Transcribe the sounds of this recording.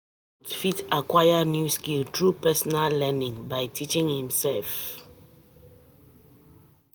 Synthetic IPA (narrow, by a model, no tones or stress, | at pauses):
tfitakwajənjuskiltɹupɛsɔnalːɛnĩŋbaɪtʰit͡ʃĩŋhĩmsɛlf